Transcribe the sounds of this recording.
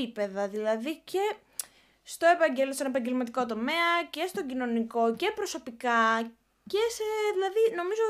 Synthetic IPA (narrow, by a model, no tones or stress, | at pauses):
ipe̞ðɐðilɐðice̞ | st̪o̞e̞pɐɲɟelst̪one̞pɐɲɟe̞lmɐt̪̬iko̞t̪o̞me̞ɐce̞st̪oɲɟino̞niko̞ce̞pɾo̞so̞pikɐ | ce̞seðilɐðino̞mizo